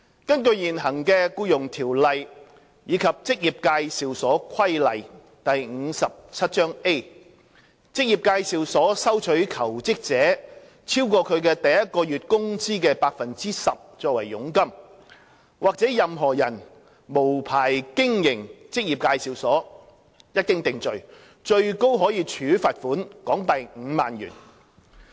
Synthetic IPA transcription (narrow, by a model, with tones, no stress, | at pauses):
kɐ˥nkɵ˧ɥjiː˨˩nɦɐ˨˩ŋkɛː˧kuː˧jʊ˨ŋt̪ʰiː˨˩wlɐ˨j | jiː˨˧˥kʰɐ˨p̚t͡sɪ˥k̚jiː˨p̚kaː˧jsiː˨wsɔː˨˥kʰɐ˥jlɐ˨j | t̪ɐ˨jŋ̩ː˨˧sɐ˨p̚t͡sʰɐ˥t̚t͡ʃœː˥ŋe˥ | t͡sɪ˥k̚jiː˨p̚kaː˧jsi˨wsɔː˨˥sɐ˥wt͡ʃʰɵ˨˥ɥkʰɐ˨˩wt͡sɪ˥k̚t͡sɛː˨˥ | t͡sʰiː˥wkɔː˧kʰɵ˨˧ɥkɛː˧t̪ɐ˨jjɐ˥t̚kɔː˧jyː˨t̚kʊ˥ŋt͡siː˥kɛː˧paː˧k̚fɐ˨nt͡siː˥sɐ˨p̚t͡ʃɔː˧k̚wɐ˨˩jːʊ˨˥ŋkɐ˥m | waː˨k̚t͡sɛː˨˥jɐ˨mɦɔː˨˩jɐ˨˩n | mo˨˩wpʰaː˨˩jkɪ˥ŋjɪ˨˩ŋt͡sɪ˥k̚jiː˨˩p̚kaː˧jsiː˨˧wsɔː˨˥ | jɐ˥t̚kɪ˥ŋt̪ɪ˨ŋt͡sɵ˨ɥ | t͡ʃɵ˧ɥko˥wɦɔː˨˥jiː˨˧t͡ʃʰyː˨˥faː˧t̚fuː˨˥nkɔː˨˥ŋt̪ɐ˨jŋ̩ː˨˧ma̰ː˨nɥy̰ː˨˩n